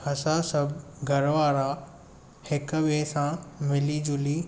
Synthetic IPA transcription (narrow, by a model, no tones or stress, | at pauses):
ɐsãsɐb | ɡʱɐɾʋaːɾa | hɪkʋeːsãmɪlid͡ʑʊliː